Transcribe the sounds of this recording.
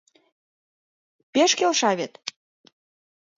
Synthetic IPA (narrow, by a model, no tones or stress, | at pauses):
peʃkelʃɑβet̪